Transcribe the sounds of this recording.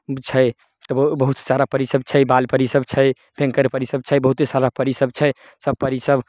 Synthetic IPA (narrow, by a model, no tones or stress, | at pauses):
t͡ʃʰəj | t̪ɔbəɦut̪saɾapəɾisəb̚t͡ʃʰəjbalpəɾisəbt͡ʃʰə | bʰʱẽŋkəɾpəɾisəb̚t͡ʃʰəjbəɦut̪saɾapəɾisəb̚t͡ʃʰəj | səb̚pəɾisəb